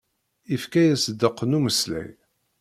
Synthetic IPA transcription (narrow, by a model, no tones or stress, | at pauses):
ifkæjæsəd̪ːəqːənuməslæ̰j